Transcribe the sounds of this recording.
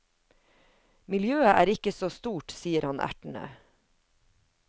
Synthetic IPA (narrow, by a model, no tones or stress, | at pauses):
mɪljøːəʔæːɾɪkəsoːst̪uːʈsiːəɾhɑnʔæ̰ʈɳ̩ə̰